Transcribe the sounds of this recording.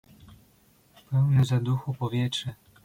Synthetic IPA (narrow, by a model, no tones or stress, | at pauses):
pɛwnɘzad̪uxupɔvʲjɛtʂɘ